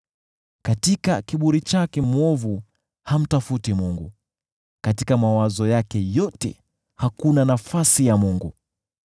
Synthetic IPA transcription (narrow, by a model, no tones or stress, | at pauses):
katikakiɓuɾit͡ʃakɛmwɔvu | ham̩tafutimuŋɡṵ | katikamawazɔjakɛjɔtɛ̰ | hakunanafasijamuŋɡu